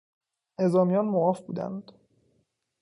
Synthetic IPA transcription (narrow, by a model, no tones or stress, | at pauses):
ne̞zɒːmijɒːnmoɣɒːfbṵːd̪æ̰nd̪̥